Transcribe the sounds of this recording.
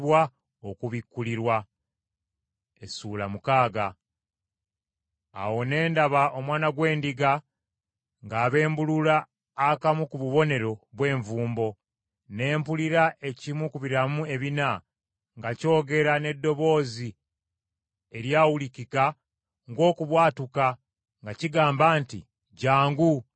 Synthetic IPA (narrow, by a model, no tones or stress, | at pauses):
βwa | okuβikːuliɾwa | e̞suːlamukaːɡa | wo̞ne̞ːndaβaʔo̞mwaːnaɡwe̞ːndiɡa | ŋɡaːβe̞ːmbululaː | kamukuβuβo̞ne̞ɾo̞βwe̞ːɱvuːmbo̞ | ne̞ːmpuliɾaʔe̞cimwukuβiɾamue̞βina | ŋɡaco̞ːɡe̞ɾane̞dːo̞βo̞ːzi | e̞ɾjaːwulikika | ŋɡo̞ːkuβwaːtuka | ŋɡaciɡaːmbaːntḭ | ɟaːŋɡu